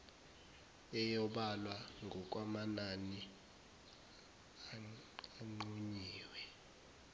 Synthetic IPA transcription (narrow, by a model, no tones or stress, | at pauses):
ɛjɔɓalwaŋʱɔk̬ʼwamanani | aŋ͡ǃuɲiːwɛ